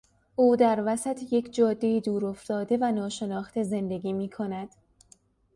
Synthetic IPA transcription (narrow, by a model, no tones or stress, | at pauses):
ʔuːd̪æɾvæsæt̪ʰje̞cʰd͡ʒɒːd̪ːe̞iːd̪uːɾo̞ft̪ɒːd̪e̞vænɒːʃe̞nɒːxt̪ʰe̞ze̞nd̪e̞ɡʲiːmiːkʰo̞næd̪̥